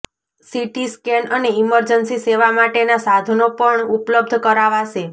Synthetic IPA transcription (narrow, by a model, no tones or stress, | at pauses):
siʈiskɛnəneiməɾd͡ʒənsiseʋamaʈenasad̪ʱnopəɳupləb̚d̪ʱkəɾaʋaʃe